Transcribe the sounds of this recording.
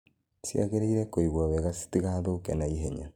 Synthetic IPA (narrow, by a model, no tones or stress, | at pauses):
sja̰ɣeɾeiɾɛkoiɣwaβɛɣasi̥tiɣaðokɛnaiɦeɲa̰